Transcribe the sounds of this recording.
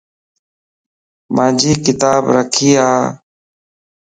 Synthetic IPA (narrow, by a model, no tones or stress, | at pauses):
mãːd͡ʒʱiːkɪt̪aːbɾəkʰiːaː